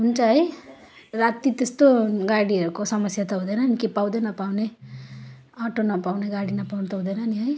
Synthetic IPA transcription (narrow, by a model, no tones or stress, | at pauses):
ɦunt͡sʰʌɦʌj | rat̪it̪est̪oɡaɽiʌɾukosʌmʌsjat̪ʌɦud̪ʌjnʌnikipawd̪enʌpawne | ʌʈonʌpawneɡaɽinʌpawnʌt̪ʌɦud̪ʌnʌniɦʌj